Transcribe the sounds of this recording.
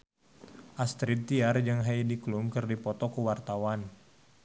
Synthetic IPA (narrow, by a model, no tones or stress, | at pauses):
ʔast̪ɾit̪iard͡ʒaŋɦaidikluŋkɨrdipɔt̪ɔkəwart̪awan